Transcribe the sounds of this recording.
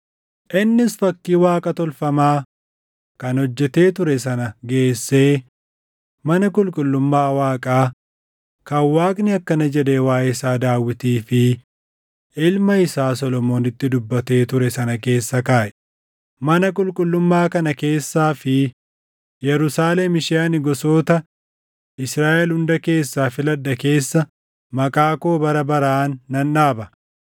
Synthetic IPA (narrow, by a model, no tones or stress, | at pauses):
ʔɪnːɪsfɐkːiːwaːkʼɐt̪ɔlfɐmaː | kɐnhɔd͡ʒːɛt̪e̞ːt̪ʊɾɛsɐnɐɡe̞ːsːe̞ː | mɐnɐkʼʊlkʼʊlːʊmːaːwaːkʼaː | kɐwaːkʼnɪɐkːɐnɐd͡ʒɛd̪e̞ːwaːʔɛsaːd̪aːwɪt̪iːfɪ | ɪlmɐɪsaːs̬ɔlɔmo̞ːnɪt̪ːɪd̪ʊbːɐt̪e̞ːt̪ʊɾɛsɐnɐke̞ːsːɐkaːʔɛ | mɐnɐkʼʊlkʼʊlːʊmːaːkɐnɐke̞ːsːaːfɪ | jɛɾʊsaːlɛmɪʃɪɐnɪɡɔso̞ːt̪ɐ | ʔɪsɾaːʔɛlhʊnd̪ɐke̞ːsːaːfɪlɐd̪ːɐke̞ːsːɐ | mɐkʼaːko̞ːbɐɾɐbɐɾaːnːɐnᶑaːbɐ